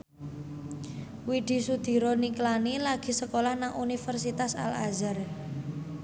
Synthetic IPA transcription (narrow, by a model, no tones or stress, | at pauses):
wiɖ̪̥i̤sud̪̥i̤ɾɔniklanilaɡ̥i̤səkolahnaŋʔunifərsit̪asa̰la̰zər